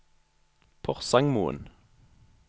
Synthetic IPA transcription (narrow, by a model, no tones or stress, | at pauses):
pʰɔʁsɑŋmṵːə̰n